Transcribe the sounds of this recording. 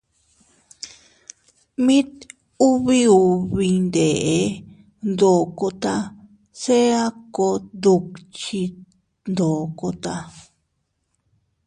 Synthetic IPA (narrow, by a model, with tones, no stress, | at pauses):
mĩ˦t̪ | u˦βi˦u˧βi˧nd̪e˨ʔe˧˦ | nd̪o˨ko˧t̪a˧ | se˦a˦ko˧d̪u˧kt͡ʃi˧ | nd̪o˨ko˧t̪a˧